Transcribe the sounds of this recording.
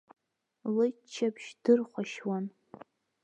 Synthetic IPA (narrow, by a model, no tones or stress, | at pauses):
lɨt͡ʃʰːapʰʃd̥ɨrχʷaʃwan